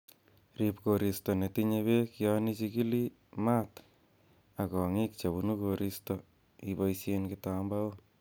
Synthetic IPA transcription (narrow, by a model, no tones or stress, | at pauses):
ripkoɾistonetiɲeβekjɔnit͡ʃikili | mat | akɔŋikt͡ʃabunukoɾisto | ibajsjenkɪtambao